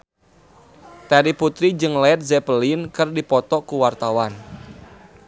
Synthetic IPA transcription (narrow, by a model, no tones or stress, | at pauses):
t̪aɾiput̪ɾid͡ʒɨŋlɛt̪̚zɛpəlinkɨrdipɔt̪ɔkuwart̪awan